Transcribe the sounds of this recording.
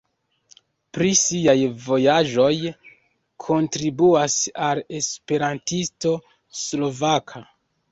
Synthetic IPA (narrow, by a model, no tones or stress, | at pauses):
pɾisiajvo̞jaʒo̞j | kʰo̞ntɾibuasale̞spe̞ɾantisto̞ | slo̞vakʰa